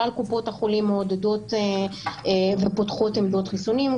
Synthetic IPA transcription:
alkupo̞thaχolimːeod̪ed̪o̞t̪e | vepot̪χo̞t̪emd̪o̞t̪χisunim

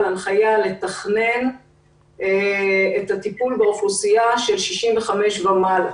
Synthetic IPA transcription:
lanχajale̞t̪aχne̞n | etat̪ipulbeofusiaʃe̞lʃiʃimveχameʃvamal

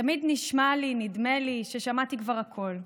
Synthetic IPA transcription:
tamid̪niʃmalinidmeliʃeʃamat̪ikvaʁhakʰo̞l

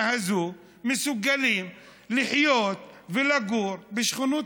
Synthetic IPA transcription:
hazu | mesuɡalim | liħjot̪velaɡuɾbeʃχunu

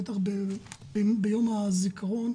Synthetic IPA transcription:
et̪aχbe | bejo̞mazikaʁo̞n

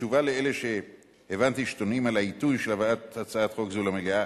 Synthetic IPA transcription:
uvaleele̞ʃe̞ | hevant̪iʃtonimalaitujʃelavaathat͡saat̪χo̞kzulamelea

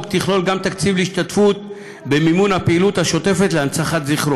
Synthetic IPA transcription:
kt̪iχlo̞lɡamt̪akt͡sivleiʃtat̪fut̪̚ | be̞mimunhapeiːlut̪haʃo̞t̪e̞fet̪leant͡saχat̪ziχɾo

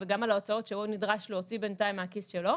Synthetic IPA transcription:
veɡamalaot͡sao̞tʃeunidʁaʃloot͡sibentaimeakisʃelo̞

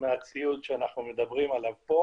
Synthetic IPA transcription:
meat͡siudʃeanaχnumed̪abʁimalavpo̞

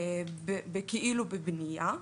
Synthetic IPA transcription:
bebekiʔiːlubebnija

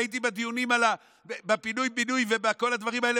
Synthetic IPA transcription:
it̪̬ibad̪ijunimala | bebepinujbinujvebeko̞lhad̪vaʁimae̞le

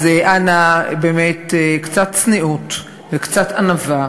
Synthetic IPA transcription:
zeʔanabeːmetekt͡satt͡sniut | vekt͡satanava

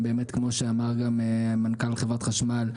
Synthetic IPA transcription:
be̞ːmet̪kmo̞ʃeamaʁɡamemankalχevʁat̪χaʃmal

